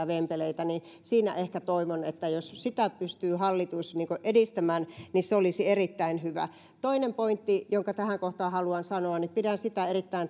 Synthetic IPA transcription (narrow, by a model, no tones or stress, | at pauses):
ʋempeleit̪æni | siːnæ̰ʔehkæt̪oiʋonet̪ːæjossit̪æpyst̪yːhɑlːit̪usniːŋkoʔedist̪æmæːnniseolisierit̪ːæinhyʋæ̰ | t̪oinempoint̪ːijoŋkɑt̪æhæŋkoht̪ɑːhɑluɑnsɑnoɑnnipidænsit̪æerit̪ːæin